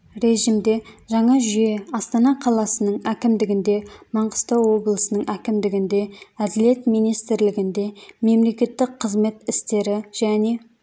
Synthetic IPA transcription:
ɾe̞ʒimd̪e̞ʒɑɴɑʒʏje̞ɑst̪ɑnɑqʰɑlˠɑsənəɴækʲɪmd̪ɪɡʲɪnd̪e̞mɑɴʁə̥st̪əwo̞blˠəsənəɴʔækʲɪmd̪ɪɡʲɪnd̪e̞æd̪ɪle̞t̪mijnijst̪ɪɾlɪɡʲɪnd̪e̞me̞mle̞kʲe̞t̪ːɪkqʰːəzme̞t̪ɪst̪e̞ɾɪʒ̥æne̞

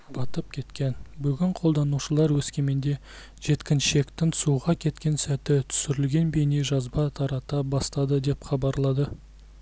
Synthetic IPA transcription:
bɑt̪əp̚kʲʰe̞t̪kʲe̞nbʏɡʲɪɴqʰolˠd̪ɑnuʃəlˠɑɾwɵskʲe̞me̞nd̪e̞ | ʒe̞t̪kʲɪnʃe̞kt̪ɪnsuʁɑkʲʰe̞t̪kʲe̞nsæt̪ɪt̪ʰʏ̥sɪɾɪlɡʲe̞nbe̞jneʒɑzbɑt̪ʰɑɾɑt̪ɑbɑst̪ɑd̪əd̪e̞pχɑbɑɾlˠɑd̪ə

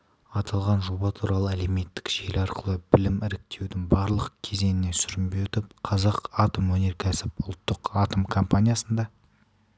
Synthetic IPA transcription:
ɑt̪ʰɑlˠʁɑnʒo̞bɑt̪ʰuɾʔɑlˠəæle̞me̞t̪ːɪ̥kʒ̥e̞lɑɾqəlˠəbɪlɪmɪɾɪk̚t̪ʰe̞wd̪ɪŋbɑɾlˠəqkʲʰe̞ze̞nɪne̞sʏɾɪmbeʏt̪ɪpqʰɑzɑqɑt̪əmwɵne̞ɾkʲʰæsɪpʊlˠt̪ːəqɑt̪əmkʰo̞mpanʲijasənd̪ɑ

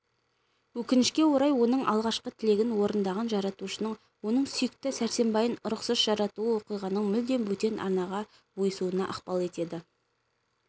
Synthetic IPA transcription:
wɵkʲɪnɪʃkʲe̞wo̞ɾɑjwo̞nəɴʔɑ̰lˠʁɑʃqət̪ʰɪle̞ɡʲɪnwo̞ɾənd̪ɑʁɑnʒɑɾɑt̪uʃənəɴ | wo̞nəɴsʏjɪk̚t̪ɪsæɾse̞mbɑjənʊɾʊqsɑʒ̥ɑɾɑt̪uəwo̞qijʁɑnəɴmʏld̪e̞nwɵt̪e̞nʔɑ̰ɾnɑʁɑ | bo̞jəsuənɑʔɑqpɑlˠe̞t̪e̞d̪ɪ

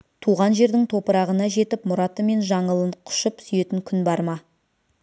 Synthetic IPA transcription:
t̪ʰuʁɑnʒe̞ɾd̪ɪŋt̪ʰo̞pəɾɑʁənɑʒe̞t̪ɪpmʊɾɑt̪əme̞nʒɑɴəlˠəɴqʰʊ̥ʃəpsʏje̞t̪ɪŋkʲʰʏnbɑɾmɑ

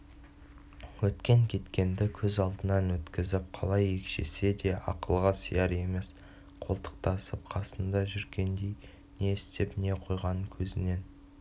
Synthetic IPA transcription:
wɵt̪kʲe̞ŋkʲʰe̞t̪kʲe̞nd̪ɪkʲʰɵzɑlˠd̪ənɑnwɵt̪kʲɪzɪp̚qʰɑlˠɑjekʲʃḛse̞d̪e̞ɑ̰qəlˠʁɑsəjɑɾe̞me̞s | qʰo̞lˠt̪ʰə̥q̚t̪ɑsəp̚qʰɑsənd̪ɑʒʏɾɡʲe̞nd̪e̞j | ne̞ɪst̪epne̞qʰo̞jʁɑnəkʲʰɵzɪne̞n

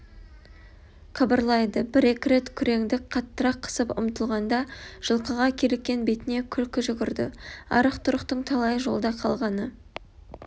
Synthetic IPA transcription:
qʰɑbəɾlˠɑjd̪əbɪɾe̞kʲɪɾe̞t̪kʲʰʏɾe̞ŋd̪ɪkqʰɑt̪ːəɾɑqʰːə̥səpʊ̰mt̪əlˠʁɑnd̪ɑʒ̥əlˠqəʁɑkʲʰeɾekkʲːe̞nbe̞t̪ɪne̞kʲʰʏlkʲɪʒʏɡʲɪɾd̪ɪ̰ɑ̰ɾəqt̪ʰʊɾəqt̪əɴt̪ʰɑlˠɑjʒo̞̰lˠd̪ɑqʰɑlˠʁɑnə

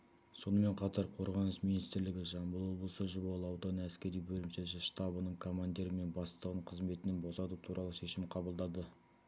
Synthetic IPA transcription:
so̞nəme̞ɴqʰɑt̪ɑɾqʰo̞ɾʁɑnəsmijnist̪ɾlɪɡʲɪʒɑmbəlˠwo̞blˠəsəʒʊbɑlˠəɑwd̪ɑnæskʲe̞ɾijbɵlɪmʃeʒɪʃt̪ɑbənəɴkʰo̞mand̪iɾəme̞nbɑst̪ˠəʁəɴqʰəzme̞t̪ɪnɪnbo̞sɑt̪ut̪ʰuɾʔɑlˠəʃe̞ʃɪmqʰɑbəlˠd̪ɑd̪ə

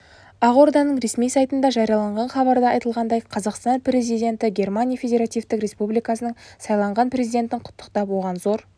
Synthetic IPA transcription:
ɑʁo̞ɾd̪ɑnəɴɾe̞smijsɑjt̪ənd̪ɑʒɑɾijɑlˠɑɴʁɑnχɑβɑɾd̪ɑɑjt̪əlˠʁɑnd̪ɑjqʰɑzɑqst̪ɑnpɾe̞zijd̪ʲe̞nt̪ɪɡʲe̞rmanʲijafʲe̞dʲe̞ɾat̪ijft̪ɪkrʲe̞spublijkɑsənəɴsɑjlˠɑɴʁɑnpre̞zijd̪ʲe̞nt̪ɪɴqʰʊ̥t̪ːə̥qt̪ɑpwo̞ʁɑnzo̞ɾ

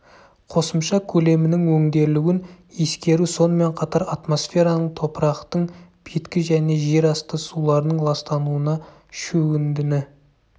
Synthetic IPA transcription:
qʰo̞səmʃɑkʲʰɵle̞mɪnɪŋwɵŋd̪e̞ɾlɪɡʲɪn | e̞skʲe̞ɾuso̞nəme̞ɴqʰɑt̪ɑɾat̪mo̞sfʲe̞ɾɑnəɴt̪ʰo̞pəɾɑqt̪əɴb̥ʰet̪kʲɪʒæne̞ʒe̞ɾɑst̪əsulˠɑɾənəɴlˠɑst̪ɑnuənɑ | ʃɵɡʲɪnd̪ɪnɪ

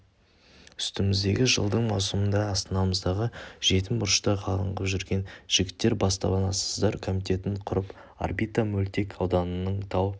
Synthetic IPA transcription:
ʏ̥st̪ɪmɪzd̪e̞ɡʲɪʒə̰lˠd̪əɴmɑwsəmənd̪ɑːst̪ənɑməzd̪ɑʁəʒ̥e̞t̪ɪmbʊɾʃt̪ɑqʰɑlˠəɴʁəpʒʏɾɡʲe̞nʒ̥ɪɡʲɪt̪ːe̞ɾbɑst̪ɑ̰bɑnɑsəzd̪ɑɾkʰo̞mijt̪ʰe̞t̪ɪɴqʰʊɾəp | a̰rbijt̪amɵlt̪e̞kʰɑwd̪ɑnənəɴt̪ʰɑw

